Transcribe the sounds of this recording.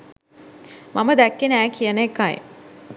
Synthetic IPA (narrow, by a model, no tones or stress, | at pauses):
maməd̪ækːenəæːkʰijənekːaj̰